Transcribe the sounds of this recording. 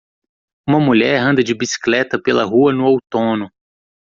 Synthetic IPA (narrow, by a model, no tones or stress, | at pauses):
ũmɐmuʎɛɾɦɐ̃nd̪ɐd͡ʒɪbisi̥klɛt̪ɐpelɐɦuɐnʊowt̪õnʊ